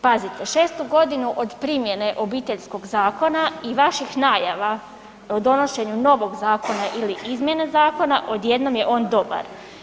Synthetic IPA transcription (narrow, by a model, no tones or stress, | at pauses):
pazit̪e̞ʃe̞ːst̪uɡo̞d̪inuʔo̞d̪pɾimje̞ne̞ʔo̞biːt̪e̞ʎsko̞ɡzaːko̞naiʋaʃixnaːjaʋa | od̪o̞no̞ʃe̞ɲuno̞ʋo̞ɡzaːko̞naʔiliʔizmje̞nezaːko̞naʔo̞d̪jed̪no̞mjeʔo̞ːnd̪o̞ba̰ɾ